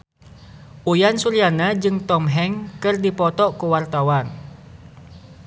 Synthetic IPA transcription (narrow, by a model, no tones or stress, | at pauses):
ʔujansuɾianad͡ʒɨŋt̪ɔmɦɛŋkɨrdipɔt̪ɔkuwart̪awan